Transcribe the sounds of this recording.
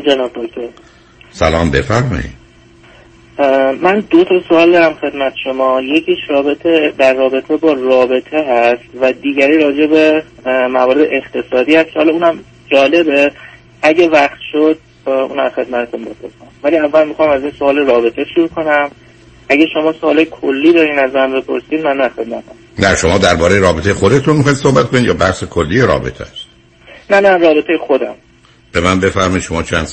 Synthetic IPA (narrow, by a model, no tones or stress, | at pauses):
d͡ʒenɒːb̚d̪okt̪ʰoɾ | sæ̰lɒːmbefæɾmɒ̰jḭd̪̥̚ | mænd̪ot̪ʰɒsoɒːld̪ɒɾæmxe̞d̪mæt̪ʰeʃo̞mɒːje̞cʰiːʃɾɒːbe̞t̪ʰed̪ærːɒːbe̞t̪ʰe̞bɒːrɒːbe̞t̪ʰe̞ɦæst̪væd̪iːɟæɾiːɾɒːd͡ʒe̞be̞mævɒːɾe̞d̪eʔext̪ʰe̞sɒːd̪iːhæst̪̚cʰehɒlɒuːnæm | d͡ʒɒːle̞be | æɟævæχt̪ʃo̞d̪̥̚ | ṵːnæzχe̞d̪mæt̪ʰe̞t̪unbe̞̰pʰo̞̰ɾsæmvæliːævːælmixɒmæziːnsoɒːleɾɒːbe̞t̪ʰeʃuɾuːkʰo̞næm | æɟæʃo̞mɒːsoɒːlejekʰolːiːd̪ɒːɾiːnæzmænbe̞pʰo̞ɾsiːd̪mænːæxe̞d̪̚mæt̪ʰæm | næʃomɒːd̪æɾbɒːɾejeɾɒːbet̪ejexo̞d̪e̞t̪ʰunmixɒjid̪so̞hbæt̪kʰonid̪jɒːbæhsekʰolːiːjeɾɒ̰ːbḛt̪ʰeæst̪ | nænænrɒːbe̞t̪ʰejexo̞d̪æ̰m | b̥e̞mænbe̞fæɾmɒid̪ʃo̞mɒːt͡ʃʰæ̰nd̪s